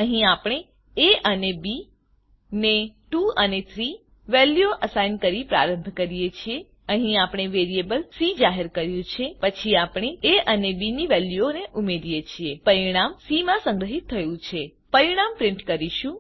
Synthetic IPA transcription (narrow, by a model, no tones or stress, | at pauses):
əɦĩapɽ̃e | eʔənebi | neʈuənet̪ʰɾi | ʋɛljoʔəsajnkəɾipɾa̰ɾəmbʱkəɾijet͡ʃʰie | əɦĩapɽ̃eʋeɾiebəlsid͡ʒaɦeɾkəɾjũt͡ʃʰepət͡ʃʰiapɽ̃eeʔənebiniʋɛljuoneʔumeɾijet͡ʃʰiepəɾiɽ̃amsimãsə̃ŋɡɾəɦit̪ʰːəjũt͡ʃʰe | pəɾiɽ̃ampɾɪɳʈkəɾiʃũ